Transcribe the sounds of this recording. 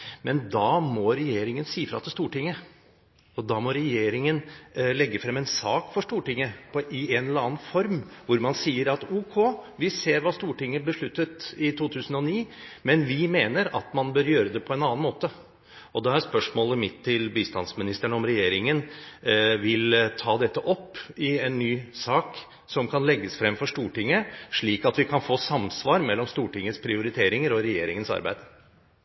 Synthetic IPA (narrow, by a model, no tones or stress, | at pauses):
mɛnd̪ɑːmɔɾɛjeːɾɪŋənsiːəfɾɑ̰t̪ɪəst̪uːʈɪŋːə | ɔd̪ɑːmɔɾɛjeːɾɪŋənlɛɡːəfɾɛmɛnsɑːkfɔʂʈuːʈɪŋːəpʰɔʔɪɛnlɑːn̩fɔɾmʋʊɾmɑnsiːəɾɑt̪uːkʰoːʋɪseːɾʋɑːst̪uːʈɪŋːəb̪əʂɭʉt̪ːət̪ɪt̪uːt̪ʰʉːsən̩ɔniːmɛnʋɪmeːnəɾɑ̰t̪mɑnbøːɾjøːɾəd̪ɛpʰɔɛnɑːnmoːt̪ə | ɔd̪ɛæɾspœʂmoːləmɪt̪ʰːɪlbiːst̪ɑnsmɪnɪst̪əɳəɔmɾɛjeːɾɪŋən | ʋɪlt̪ʰɑːd̪ɛt̪ːəʔɔpːɪɛnːyːsɑːk | sɔmkʰɑnlɛɡːəsfɾɛmfɔʂt̪uːʈɪŋːəʂɭiːkɑt̪ʋɪkʰɑnfoːsɑmsʋɑːɾmɛlːɔmst̪uːʈɪŋːəspʰɾɪʊɾɪt̪ʰeːɾɪŋəɾɔɾɛjeːɾɪŋənsɑ̰ɾbæ̰ɪd̪̥